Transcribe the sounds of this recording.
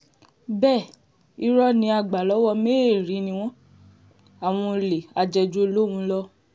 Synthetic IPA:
bɛː˦˨ | i˦ɾɔ˦nĩ˧˦a˧˨ɡ͡ba˨lɔ˨˦wɔ˦˧me˦e˦˨ɾi˨˦nĩ˧w̃ɔ̃˦ | a˨w̃ɔ̃˧le˨a˨d͡ʒɛ˧d͡ʒo˧˦lo˦w̃ũ˧˦lɔ˦

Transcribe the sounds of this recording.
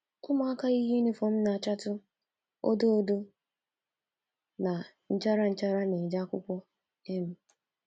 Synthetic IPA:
ʊ˦ma˦a˦ka˦i˦ɦe˦ni˦fɔ˨m̩˦na˨a˨t͡ʃa˦tʊ˦ | o̰˦do˦o˦do˦ | na˨ | n̩˦t͡ʃa˦ɾa˦n̩˦t͡ʃa˦ɾa˦ne˨d͡ʒa˦kʷʊ˦kʷɔ˦ | e˦m̩˦

